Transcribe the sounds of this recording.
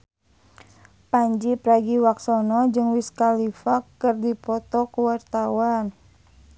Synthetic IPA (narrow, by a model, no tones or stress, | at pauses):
paɲd͡ʒipɾaɡiwaksɔnɔd͡ʒɨŋwiskalifakːərdipɔt̪ɔkuwart̪awan